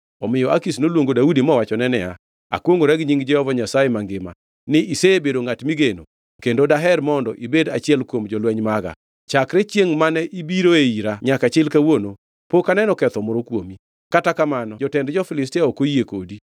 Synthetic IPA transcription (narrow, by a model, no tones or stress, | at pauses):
ɔmɪjɔakisnolwoŋɡodaudimɔwat͡ʃɔnɛnɛja | a̰kwoŋɡoɾɛɡɲiŋd͡ʒɛhɔvaɲasajemaŋɡɪma̰ | nɪiseebedoŋatmiɡeno̰ | kendodaɦɛɾmɔndɔʔibedat͡ʃɪɛlkwomd͡ʒɔlwɛɲmaɡa̰ | t͡ʃakɾet͡ʃjeŋmanɛʔibiɾoeiɾaɲakat͡ʃɪlkawono | pokanɛnɔkɛt̪ɔmɔɾokwomi | katakamanɔd͡ʒɔtɛndd͡ʒɔfɪlɪstiaokojeko̰di